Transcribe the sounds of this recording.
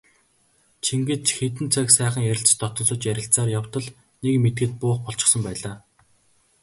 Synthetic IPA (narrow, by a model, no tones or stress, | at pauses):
t͡ɕʰiŋɡĕt͡ɕxet̪ɘ̆nt͡sʰœksæːχə̆ŋjæɾʲɪ̆ɬt͡ɕt̪ɔt̪ɞ̆nsʊ̆ːt͡ɕjæɾʲɪ̆ɬt͡saːrjawt̪ɞ̆ɮ | nekmet̪̚ɡɘ̆t̪̚pʊːχpɔɮt͡ɕɪ̆χsə̆mpæːɮaː